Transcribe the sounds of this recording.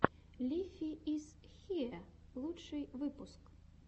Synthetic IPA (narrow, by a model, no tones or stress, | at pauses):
lʲifʲiizxʲiɛlˠutʂɨjvɨpusk